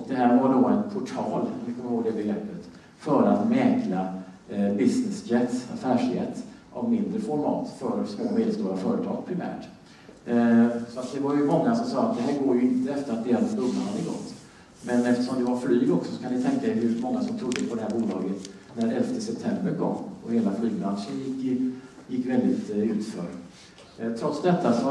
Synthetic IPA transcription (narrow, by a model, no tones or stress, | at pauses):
ɔk̚d̪ɛhæːɾvaɖoːɛnpʰʊʈʰɑːlvɪkʰɔmːəɾoːɡd̪ɛbɛɡɾɛpːət̪ | fœɾat̪mɛːkla | bɪsnɪsd͡ʒɛt̪sa̰fæːʂjɛt̪ːʔa̰vmɪnd̪ɾəfɔɾmɑ̰ːt̪fœɾsmoːmeːd̪əlst̪uːɾafœːɾət̪ʰɑ̰ːɡ̚pʰɾɪmæ̰ːʈ | sɔat̪̚d̪ɛvaɾjɵmɔŋːasɔmsɑːat̪̚d̪ɛɦæːɾɡoːɾjɵɪnt̪əɛft̪əɾat̪̚d̪ɪɛlk̪ɵmːahad̪ːəɡɔ̰t̪ː | mɛnɛft̪ə̥ʂɔmd̪ɛvaɾflyːɡɔksɔsɔ̥kʰanɪt̪ʰɛŋkad̪ɛhɵmɔŋːasɔmt̪ʰɾʊd̪ːəpʰɔd̪ɛhæːɾbuːlɑːɡət̪ | næɾɛlft̪əsɛp̚t̪ʰɛmbəɾkʰɔ̰mːɔheːlaflyːɡ̚bɾanʂənjɪkːjɪkːvɛld̪ɪt̪ʉ̟ːt̪fœ̰ːɾ | t̪ʰɾɔt̪sd̪ɛt̪ːasɔ